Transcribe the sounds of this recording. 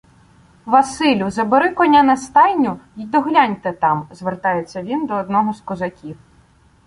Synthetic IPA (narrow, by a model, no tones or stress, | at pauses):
ʋɐsɪlʲʊzɐbɪɾɪkɔnʲɐnɐst̪ɑjnʲʊid̪ɔɦlʲanʲt̪ɛt̪ɑmzʋert̪ɑjet͡sʲːɐʋʲind̪ɔːd̪nɔɦɔskɔzɐkʲiw